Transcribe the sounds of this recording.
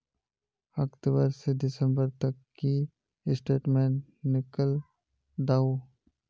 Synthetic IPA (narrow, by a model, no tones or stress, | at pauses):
əkt̪bəɾsedɪsə̃mbəɾt̪ɐkːi | ɪsʈeːʈmẽːnːɪkəl | d̪aːo